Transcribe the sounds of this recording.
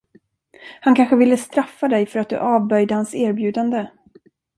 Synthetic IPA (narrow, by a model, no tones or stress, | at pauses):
hankʰanɧəvɪlːəst̪ɾafːad̪ɛjfœɾat̪̚d̪ɵ̰ʔɑːvbœjd̪əhansæːɾbjʉ̟ːd̪and̪ə